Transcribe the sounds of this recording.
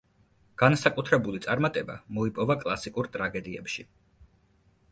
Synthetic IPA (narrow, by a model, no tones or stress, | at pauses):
ɡ̥ansakʼut̪ʰɾɛbulit̪sʼaɾmat̪ʼɛbamɔipʼɔvakʼlˠasikʼuɾt̪ʼɾaɡɛd̪iɛpʃi